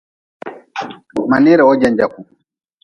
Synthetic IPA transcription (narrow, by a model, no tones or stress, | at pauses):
maniːɾɛɔd͡ʒand͡ʒaku